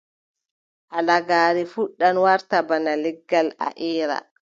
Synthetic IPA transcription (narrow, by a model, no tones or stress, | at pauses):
ʔalaɡaːɾifuɗːanwaɾtabanalɛɡːala̰ʔiːɾa̰